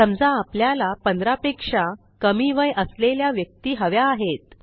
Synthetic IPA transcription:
səmd͡zãːpljalapənd̪ɾapekʂa | kəmiʋəjʔəsleljaʋjək̚t̪iːɦəʋjaːɦet̪̚

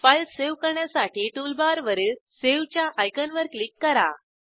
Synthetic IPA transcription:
fajlseʋkəɾɳjasaʈʰiːʈulbaɾʋəɾiseʋt͡ɕjaʔajkənʋəɾklikːəɾa̰

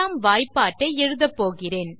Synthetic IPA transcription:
aːmʋaːjpːaːʈːɐɪɛɻɯðɐpːoːɣɪreːn

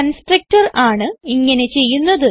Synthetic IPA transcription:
ɐnsʈrɐk̚ʈɐraːɳɨiŋːɐne̞t͡ɕe̞jːunːɐðɨ

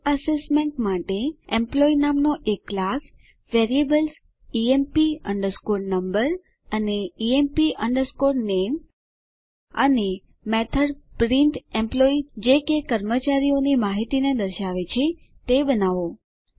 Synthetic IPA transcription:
əsesmeɳʈmaʈeẽmplɔinamnoʔeklak | ʋeɾiebəls | iempiəɳɖəɾskoɾnəmbəɾ | əneiempiʔəɳɖəɾskoɾnem | ə̰ne | mɛt̪ʰəɾpɾiɳʈẽmplɔid͡ʒekekəɾmət͡ʃaɾionimaɦit̪ined̪əɾʃaʋet͡ʃʰe | t̪ebənaʋo

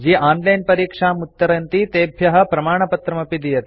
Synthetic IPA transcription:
d͡ʒiːʔaːnlɐjnpɐɾiːkʂaːmut̪ːɐɾɐnt̪it̪eːbʱjɐɦɐ̆pɾɐmaːɳɐpɐt̪ɾɐmɐpid̪ijɐt̪

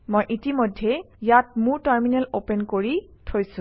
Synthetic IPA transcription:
mojʔitimojdʱːɛ | jat̚muɹtaɹminɛlopɛnkoɹitʰojsʊ̃

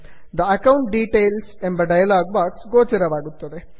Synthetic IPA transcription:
d̪ɐɐkɐwɳʈɖiːʈeːlsembɐɖɐjɐlaːɡ̚ʋaːʈsɡoːt͡ʃɐɾɐʋaːɡut̪ːɐd̪e

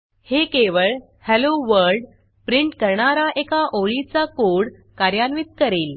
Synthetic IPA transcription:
hekeʋəɭ | hɛloʋəɾɖ | pɾiɳʈkəɾɳaɾaʔekaʔoɭit͡sakoɽ | kaɾjanʋit̪̚kəɾeːl

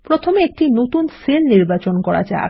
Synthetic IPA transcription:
pɾot̪ʰomeek̚ʈinot̪unsilniɾbat͡ɕonkɔɾa̰d͡ʑa̰e

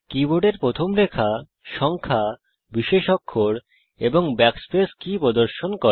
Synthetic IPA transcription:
kiboɖeɾpɾot̪ʰomɾekʰa | ʃɔŋkʰa | biʃeʃokʰːoɾ | eboŋbɛkspeskipɾod̪oɾʃonkɔ

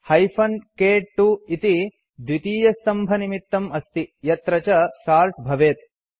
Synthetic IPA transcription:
hɐjpʰɐnkeːʈʈːuit̪i | d̪ʋit̪iːjɐst̪ɐmbʱɐnimit̪ːɐmɐst̪ijɐt̪ɾɐt͡ʃɐʃaːɾʈbʱɐʋeːt̪̚

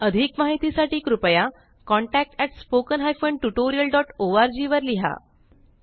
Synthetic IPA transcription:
əd̪ʱiːkmaɦit̪isaʈiːkɾupəja | kɔɳʈæk̚ʈɛʈspokənɦajfoɳʈuʈoɾijəlɖɔʈoaɾd͡ʑiːʋəɾliɦa̰

